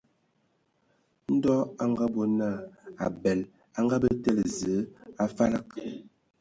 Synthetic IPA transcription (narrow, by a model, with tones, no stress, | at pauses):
n̩˦dɔ˦a˦ŋɡa˦bo˦na˦˨a̰˨bɛ˨l | a˦ŋɡa˦bə˦tɛ˦lzə˨˦a˦fa˦la˦k